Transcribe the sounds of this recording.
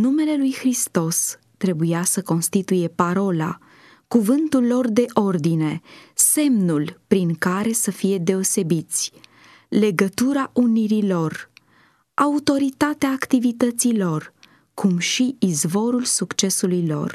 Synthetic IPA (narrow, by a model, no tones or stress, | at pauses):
nume̞le̞lujxɾist̪o̞s | t̪ɾe̞bujasəko̞nst̪it̪uje̞paɾo̞la̰ | kuvɨnt̪ulːo̞rd̪e̞ʔo̞rd̪ine̞se̞mnulpɾiŋkaɾe̞səfije̞d̪e̞o̞se̞bit̪sʲ | le̞ɡət̪uɾaʔuniɾilo̞r | aut̪o̞ɾit̪at̪eaːkt̪ivit̪ət̪silo̞r | kʰumʃiːzvo̞ɾulsukt͡ʃe̞sulujlo̞̰r